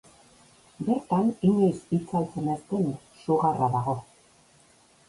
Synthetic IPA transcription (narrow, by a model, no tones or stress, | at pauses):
be̞ɾt̪aniɲesit͡salt͡senast̪en | ʃuɣaraðaɣo̞